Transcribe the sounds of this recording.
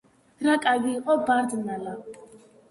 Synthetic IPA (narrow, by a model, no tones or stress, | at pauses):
ɾakʼaɡiːqʼɔbaɾd̪nala